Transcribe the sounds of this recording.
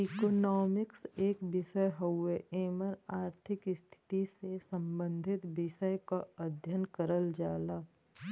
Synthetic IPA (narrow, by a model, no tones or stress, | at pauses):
ikoːnɔːmɪkseːkbɪʃəjɦəwːeeːməɾaːɾt̪ʰɪkst̪ʰɪ̥t̪isesə̃mbə̃nd̪ʱɪt̪bɪʃəjkaɐd̪ʱjənkəɾəld͡ʒaːlaː